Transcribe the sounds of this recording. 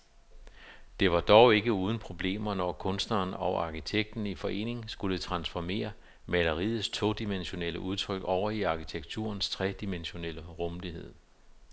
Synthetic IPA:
d̥e̝ʋɑ̈d̥ɒʊe̝ɡ̥əuːð̞ˠn̩pʰʁo̝b̥le̝̰ːmɐnɒkʰɔ̽nsd̥nɐːnɒ̽ʔɑ̈kʰit͡sʰeɡ̥̚d̥n̩ifɒ̽ʔe̝̰ːne̝ŋŋsɡ̥ulət͡sʰʁɑ̈nsfɒme̝̰ːɐ | mælɐʁið̩ˠst͡sʰo̝̰d̥imenɕo̝nel̰əʔuð̞ˠt͡sʰʁœɡ̥ɒʊ̰ɐiɑ̈kit͡sʰeɡ̥̚t͡sʰṵɐnst͡sʰʁɛd̥imenɕo̝nel̰əʁɔmlihe̝ð̞̰ˠ

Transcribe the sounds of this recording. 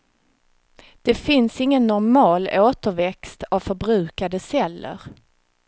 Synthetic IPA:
d̪̥ɛfɪnsɪŋːənːɔɾmɑːloːt̪əɾvɛkst̪avfœɾbɾʉ̟ːkad̪əsɛlːə̰ɾ

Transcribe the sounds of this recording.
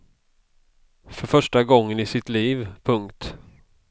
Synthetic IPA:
fœɾfœʂʈaɡɔŋːənɪsɪt̪liːvpʰɵŋkt̪

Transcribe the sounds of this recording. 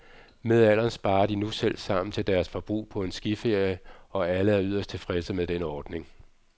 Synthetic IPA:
með̞ˠæl̰ɐnsb̥ɑ̈ːɐd̥inusel̰sɑ̈m̰n̩t͡sʰe̝ld̥æɐsfɒ̽b̥ʁṵːpʰɒ̽e̝nsɡ̥ife̝ɐ̰jəɒ̽æləæɐyð̰ˠɐsd̥̚t͡sʰe̝lfʁɛsəmeðˠd̥enɒːd̥ne̝ŋ

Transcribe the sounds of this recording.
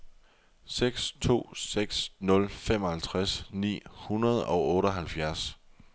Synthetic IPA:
seɡ̥st͡sʰo̝̰ːseɡ̥snɔ̽lfem̰ɒ̽hælt͡sʰʁasnḭːhunɐð̞ˠɒ̽ʊɔ̽ːɾəɦælfjæɐs

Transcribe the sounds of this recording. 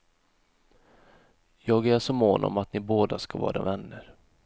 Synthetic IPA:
jɑːɡæʂɔmoːnʔɔ̰mat̪nɪboːd̪askavɑ̰ːɾa̰vɛnːəɾ

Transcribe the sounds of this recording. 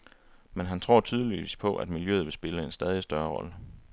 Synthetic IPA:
menɦænt͡sʰʁo̝̰ɐ̰t͡sʰyːð̞ˠəliʋḭːspʰɒ̽ʔæ̰d̥miljø̰ð̞̩ˠʋe̝sb̥e̝ləe̝nsd̥ɛːð̞ˠisd̥ɶɐʁɒ̽lə

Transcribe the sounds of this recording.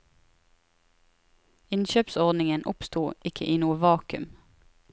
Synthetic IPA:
ɪnʃøːpsɔʁd̪nɪŋənʔʊpst̪uːʔɪkʰəʔiːnuːəʋɑːkʉ̰m

